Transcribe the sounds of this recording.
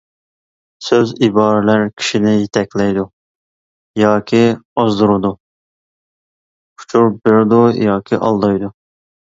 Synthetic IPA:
søzibɑːɾɪlæɾkʲʰi̥ʃinɪjet̪ʰɛkʲʰlɛjd̪u | jɑːkʲʰiɑzd̪uɾɨd̪u | kʰu̥t͡ʃʰuɾbɪɾd̪ujɑːkʲʰiʔɑ̰lˠd̪ɑjd̪u

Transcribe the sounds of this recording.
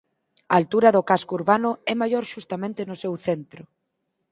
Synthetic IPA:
ɐːlt̪uɾɐðʊkaskouɾβanʊɛmajoɾʃust̪amẽnt̪enʊsɛwθent̪ɾʊ

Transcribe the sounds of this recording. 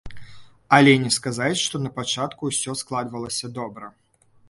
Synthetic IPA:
ɐlʲɛnʲɛskazat͡sʲʂt̪ɔnɐpat͡ʂat̪kusʲɔsklˠad̪vɐlˠɐsʲɐd̪ɔbɾɐ

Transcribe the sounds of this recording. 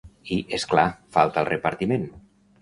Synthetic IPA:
iʔesklafalˠt̪alˠrepaɾt̪imẽn

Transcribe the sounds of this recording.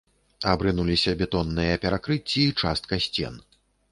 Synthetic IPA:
abɾɨnulʲisʲɐbʲɛt̪ɔnːɨjɐpʲɛɾakɾɨt͡sʲːiːt͡ʂast̪̚kɐsʲt͡sʲɛ̰n

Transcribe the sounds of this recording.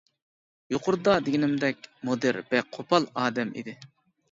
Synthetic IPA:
joqʰʊɾd̪ɑd̪ɪɡʲinɪmd̪ɛkʲmod̪ɨɾb̥ɛqʰopʰɑlˠɑːd̪ɛmʔḭd̪ɪ

